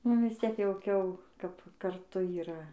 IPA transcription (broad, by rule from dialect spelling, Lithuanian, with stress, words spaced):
ˈnʊ ʋʲɪs ˈt͡sʲiɛk jɛʊˈkʲɛʊ kɐp kɐrˈtʊ iːˈrɐ